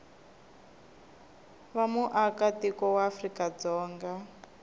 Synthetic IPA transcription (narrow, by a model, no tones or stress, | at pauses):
βamuʔakatikɔwaːfrikad͡zɔːŋɡa